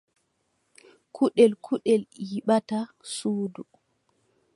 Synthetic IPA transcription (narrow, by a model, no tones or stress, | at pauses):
kʰuɗɛlkʰuɗɛljiɓata | suːdu